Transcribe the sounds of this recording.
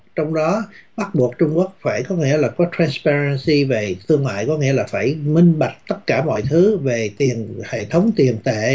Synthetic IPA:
t͡ɕɔ˧wŋ͡mɗɔ˨˦ɓa˦˥t̚ɓu˨˩ək̚t͡ɕʊ˧ŋ͡mku˦˥ək̚faː˧˩jkɔ˨˦ŋḭ˧˥əlaː˨˩kɔ˨˦t̪ɾaː˧nspaː˧ɹə˧nsi˧ve˨˩t̪ʰɨ˧əŋmwa̰ː˧˨jkɔ˨˦ŋḭ˧˥əlaː˨˩faː˧˩jmï˧ŋ̟ɓa˨˩k̟̚t̪ə˦˥t̚kaː˧˩mɔ̰˧˨jt̪ʰɨ˨˦ve˨˩t̪i˨˩ənhḛ˧˨t̪ʰə˨˦wŋ͡mt̪i˨˩ənt̪ḛ˧˨

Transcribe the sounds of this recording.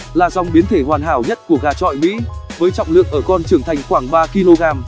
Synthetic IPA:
laː˨˩za˨˧wŋ͡mɓi˨˦ənt̪ʰe˧˩hwaː˨˩nɦaː˧˩wɲə˦˥t̚ku˧˩əɣaː˨˩t͡ɕɔ̰˧˨jmḭ˧˥vəː˨˦jt͡ɕɔ̰˧˨wŋ͡mlɨ̰˧˨əŋʔəː˧˩kɔ˧nt͡ɕɨ˧˩əŋt̪ʰa˨˩jŋ̟xwaː˧˩ŋɓaː˧ki˧lo˧ɣaː˧m

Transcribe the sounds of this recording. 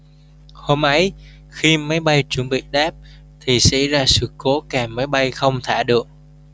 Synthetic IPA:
ho˧mʔə˨˦j | xi˧ma˨˦jɓa˧jt͡ɕu˨˧˩nɓḭ˧˨ɗaː˦˥p̚ | t̪ʰi˨˩sɛa̰˧˥zaː˧sɨ̰˨˧˩ko˨˦kaː˨˩ma˨˦jɓa˧jxə˧wŋ͡mt̪ʰa̰ː˧˩ɗɨ˨˩ək̚

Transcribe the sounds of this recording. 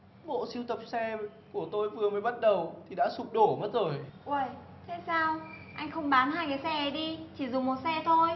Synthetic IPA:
ɓo̰˧˨si˧əwt̪ə˨˩p̚sɛ˧ | ku˧˩ət̪o˧jvɨ˨˩əməː˨˦jɓa˦˥t̚ɗə˨˩wt̪ʰi˨˩ɗa̰ː˧˥su˨˩k͡p̚ɗo˧˩mə˦˥t̚zo˨˩jʔwə˧˩j | t̪ʰe˧˦saː˧w | ʔa˧jŋ̟xə˧wŋ͡mɓaː˨˦nhaː˧jkaː˨˦jsɛ˧ʔɛ˨˩ɗi˧t͡ɕʰi˧˩zʊ˨˩ŋ͡mmo˨˩t̚sɛ˧t̪ʰo˧j

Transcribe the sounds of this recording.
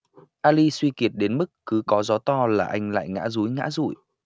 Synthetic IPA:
ʔaː˧li˧swi˧ki˨˩ət̚ɗe˨˦nmɨ˦˥kːɨ˨˦kɔ˨˦zɔ˨˦t̪ɔ˧laː˨˩ʔa˧jŋ̟la̰ː˧˨jŋa̰ː˧˥zu˨˦jŋa̰ː˧˥zṵ˧˩˨j

